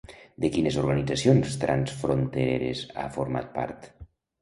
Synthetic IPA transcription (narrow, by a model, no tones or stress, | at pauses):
d̪ekinezoɾɣanid͡zasionst̪ɾʔansfɾont̪eɾḛɾeza̰foɾma̰t̪̚pa̰ɾt̪